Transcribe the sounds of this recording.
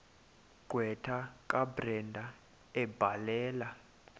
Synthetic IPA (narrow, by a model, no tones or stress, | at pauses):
ɡ̥ʱwɛtʰak̬ʼabrɛndʱa | ɛb̥ʱalɛːla